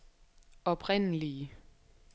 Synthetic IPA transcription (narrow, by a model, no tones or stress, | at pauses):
ɒ̽b̥ʰʁɛn̰əliə